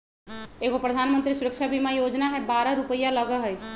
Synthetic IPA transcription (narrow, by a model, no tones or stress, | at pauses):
eːɡopɾəd̪ʱanmə̃nt̪ɾisuɾəkʃʰabʱimajod͡ʒnaɦɛbaːɾəɾupəjaləɡəɦəj